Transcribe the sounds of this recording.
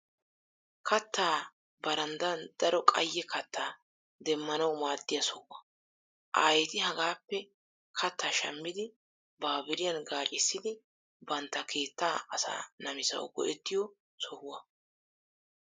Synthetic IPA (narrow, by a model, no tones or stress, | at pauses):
kʰɐt̪ːaː | bɐɾɐnd̪ɐnd̪̥ɐɾɔkʼɐjːɛkɐt̪ʰːaː | d̪ɛmːɐnɐwmaːd̪ːɪjɐsɔhʊwɐ | ʔa̰ːjɛt̪ɪhɐɡaːpːɛ | kʰɐt̪ːaːʃɐ̰mːɪd̪ɪ | baːbɪɾɪjɐnɡaːt͡ʃʼɪsːɪd̪ɪ | bɐnt̪ːɐkʰe̞ːt̪ːaːɐsa̰ːnɐmɪsɐ̰wɡɔ̰ʔɛt̪ːɪjɔ | sɔhʊwɐ